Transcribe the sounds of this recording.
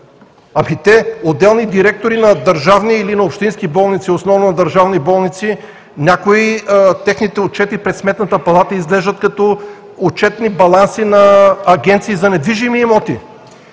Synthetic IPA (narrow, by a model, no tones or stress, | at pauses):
ɐmit̪ɛod̪ɛlˠnid̪iɾɛk̚t̪oɾinɐd̪ɐɾʒavniːlinɐopʃt̪inskibɔlˠnit̪siosnɔvnonɐd̪ɐɾʒavnibɔlˠnit̪si | nʲakoit̪ɛxnit̪ɛot͡ʃɛt̪ipɾɛt̪smɛt̪nət̪əpɐlˠat̪əizlɛʒd̪ət̪kɐt̪ɔ | ot͡ʃɛt̪nibɐlˠansinɐːɡʲɛnt̪siːzɐnɛd̪viʒimiːmɔt̪i